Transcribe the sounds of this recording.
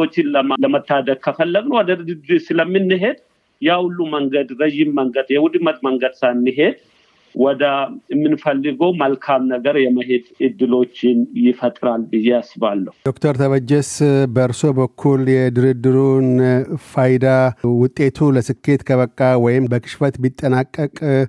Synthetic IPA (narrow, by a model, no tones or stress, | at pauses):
ot͡ʃːɪnlələmət̪ːad̪əɡ̚kʰəfəlːəɡnəwɔd̪əɨd̪ɨsɨləmːɨnːɨɦe̞d̪ | jawʊlːuməŋɡəd̪ɾəjɪmːəŋɡəd̪jɛwʊd̪mət̪̚məŋɡəd̪sanːɨɦe̞d̪ | wɔd̪əɛmːɨnfəlːɨɡəwməlkʰamnəɡəɾjɛməɦe̞d̪ɨd̪ːɨlo̞t͡ʃːɪnjɪfət̪ʼɾalɨjːɛasɨβalːəhud̥̪o̞kt̪ʰəɾt̪ʰəβəd͡ʒːɛsbəɨɾso̞bəkʰːuljɛd̪ɨɾɨd̪ːɨɾunfajd̪awʊt̪ʼːe̞t̪ʰuləsɨkːe̞t̪kʰəβəkʼːawɔjɪmbəkʰʼɨ̥ʃfət̪bit̪ʼːənakʼːəkʼ